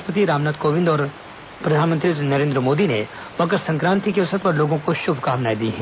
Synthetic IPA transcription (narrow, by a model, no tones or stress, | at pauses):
pət̪iɾaːmnaːt̪koːʋɪ̃nd̪ɔːɾ | pɾɐd̪ʱaːnmə̃nt̪ɾinɐɾẽːnd̪ɾəmoːd̪ine | bɐkəɾsɐ̃ŋkɾãːnt̪ikeʊsət̪pɐɾloːɡõkoʃʊbʱkaːʋnaːid̪iɦɛ̃ː